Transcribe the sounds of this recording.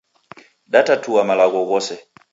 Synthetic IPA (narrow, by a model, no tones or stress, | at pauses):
ɗatatʰuwamalaɣɔɣɔsɛ